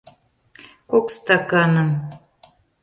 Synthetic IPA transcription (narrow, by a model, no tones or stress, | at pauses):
kokst̪ɑkɑnɤ̆m